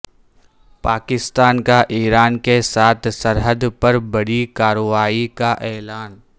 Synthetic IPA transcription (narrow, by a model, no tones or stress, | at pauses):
paːkɪst̪aːnkaʔiːɾaːnkesaːt̪ʰsɐɾɦəd̪pɐɾbɐɽikaːɾoʋaːikaʔɛːlaːn